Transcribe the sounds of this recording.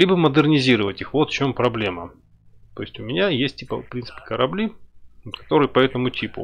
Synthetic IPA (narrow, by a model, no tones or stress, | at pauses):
lʲibəməd̪ɨrnʲɪzʲiɾəvətʲixvo̞t̪ft͡ɕo̞mpɾɐblʲe̞mə | t̪o̞ɪsʲtʲʊmʲɪnʲajesʲt̚ʲtʲipəfpɾʲint̪sɨ̥pʲɪ̥kəɾɐblʲikɐ̥t̪o̞ɾɨjəpɐɛt̪əmʊtʲipʊ̰